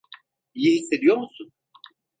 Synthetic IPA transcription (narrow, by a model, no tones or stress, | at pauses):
ijihisːe̞d̪ijo̞ɾmusun